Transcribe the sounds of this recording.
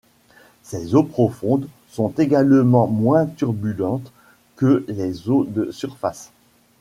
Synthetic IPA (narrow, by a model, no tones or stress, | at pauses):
sɛzopχɔfɔ̃d̪ | sɔ̃t̪eɡalmɑ̃mwɛ̃t̪yʁbylɑ̃t̪ | kəlɛzod̪əsyʁfas